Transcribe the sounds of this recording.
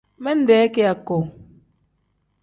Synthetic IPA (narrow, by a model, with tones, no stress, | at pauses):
mɛ˦n̩˦dɛː˨˦ke˦a˨ko˨